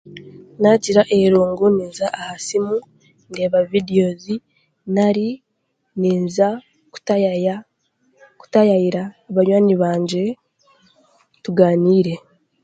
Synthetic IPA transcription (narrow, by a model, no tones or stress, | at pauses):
naciɾaʔeɾuːŋɡuniːnzaʔahasimu | nde̞ːβavideo̞zi | naɾi | niːnza | ku̥t | ku̥tajajiɾaːβaɲwaːɲiβaːɲɟe̞ | tuɡaːniːɾe̞